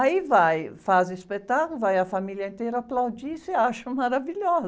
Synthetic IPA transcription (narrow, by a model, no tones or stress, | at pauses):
aivajfazɪispet̪akʊlʊvajɐfamiljɐẽnt̪ejɾɐaplawd͡ʒisɪaʃɐ̃maɾaviʎɔz